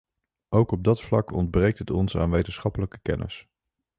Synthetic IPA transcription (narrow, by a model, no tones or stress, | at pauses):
ʔowkɔb̚dɑtflɑkʰɔndbrejk̚tɦətɔnsa̰ːnʋejtənsχɑpələkə̥kɛ̰nʔə̰s